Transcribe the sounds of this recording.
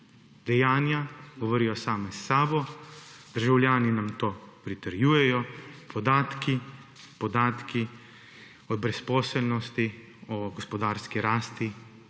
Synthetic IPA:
d̪ɛjaːnjaɡɔʋoːɾijɔsaːmɛsːaːbɔd̪̥əɾʒawlʲjaːninamt̪oːpɾit̪əɾjuːjɛjɔpʰɔd̪aːt̪kʰi | pɔd̪aːt̪kʰi | ɔbɾɛspɔːsɛlnɔst̪i | ɔɡɔspɔd̪aːɾskiɾaːst̪i

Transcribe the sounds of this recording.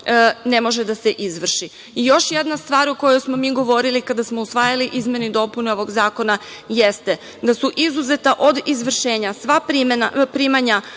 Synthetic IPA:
ne̞mo̞ʒed̪aseʔizʋr̩ʃi | ijo̞ʃjed̪nast̪ʋaːɾuko̞jojsmo̞miːɡo̞ʋo̞ɾilikad̪asmo̞usʋaːjaliʔizmʲenid̪o̞puneo̞ʋo̞ɡzaːko̞naje̞st̪e | d̪asuʔizuze̞t̪aʔo̞d̪izʋr̩ʃeːɲasʋapɾimnapɾimaɲa

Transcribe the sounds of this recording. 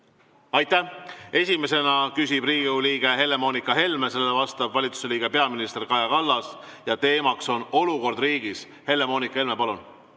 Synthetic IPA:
ɑjt̪ːˑæhe̞sʲime̞se̞nɑkysʲib̥riːɡiuliːɡ̥e̞ɦe̞lːe̞mo̞ːnikːˑɑɦe̞lmese̞lːevɑst̪ɑbvɑlʲit̪su̥se̞liːɡ̥e̞pe̞ɑminist̪e̞rkɑjɑkɑlːɑs | jɑt̪e̞ːmɑkso̞no̞luko̞rd̪̥riːɡ̥is | he̞lːe̞mo̞ːnikːˑɑhe̞lmepɑlun

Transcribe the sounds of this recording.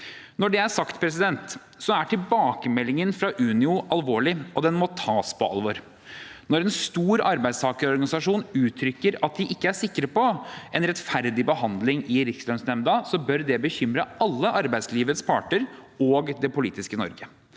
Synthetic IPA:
nɔɖɛæʂɑkt̪pʰɾɛs̬ɪd̪ɛnt̪ | sɔæʈʰɪlbɑːkəmɛlːɪŋənfɾɑʔʉːnɪʊʔɑlʋoːɭɪɔd̪ɛnmɔt̪ʰɑːspʰɔɑ̰lʋɔɾ | nɔɾɛnst̪uːɾɑɾbæɪst̪ʰɑːkəɾɔɾɡɑnɪsɑʂuːnʉːt̪ʰɾʏkːəɾɑt̪̚d̪ɪʔɪkːəæʂɪkːəɾəpɔʔɛnɾɛt̪fæɾd̪ɪbəɦɑnd̪lɪŋɪɾɪkslœnsnɛmd̪ɑsɔbœɾd̪ɛbəçʏmɾəɑlːəʔɑɾbæɪd̪sliːʋət̪spʰɑ̰ːʈəɾoːɡd̪ɛpʊlḭːt̪ɪskənɔ̰ɾɡə

